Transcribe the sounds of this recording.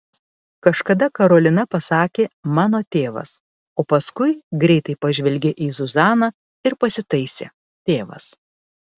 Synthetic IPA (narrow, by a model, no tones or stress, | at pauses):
kɐʃkɐd̪ɐkɐɾoːlʲɪnɐpɐsɑːkʲeːmɑːnoːt̪ʲeːʋɐ̰s | oːpɐskʊɪɡɾʲɛɪt̪ɐɪpɐʒʲʋʲɛlʲɡʲɪʔiːzʊzɑːnɑ | ɪɾpɐsʲɪt̪ɐɪsʲḛː | t̪ʲeːʋɐ̰s